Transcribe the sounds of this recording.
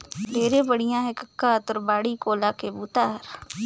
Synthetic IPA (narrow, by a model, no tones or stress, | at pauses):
meːɾebəɽijãːɦɛkɐkːat̪ɔɾbaːɽikoːlakebuːt̪aɦɐɾ